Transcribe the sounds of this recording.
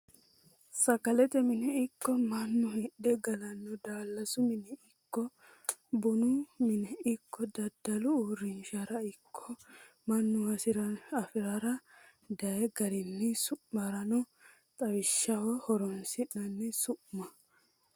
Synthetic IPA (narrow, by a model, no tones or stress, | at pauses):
sɐkɐlɛt̪ɛmɪnɛɪkːɔmɐnːʊhɛɗːɛɡɐlɐnːɔd̪aːlːɐsʊmɪnɛʔɪkːɔ | bʊnʊmɪnɛʔɪkʰːɔd̪ɐd̪ɐlʊuːɾɪnʃɐɾɐɪkʰːɔ | mɐnːʊɐsɪɾɐɐfɪɾaɾɐ | d̪ɐjɛɡɐɾɪnːɪsʊʔmɐɾɐnɔ | t̪ʼɐwɪʃːɐwɔhɔɾɔnsɪnɐnːɛsʊʔmɐ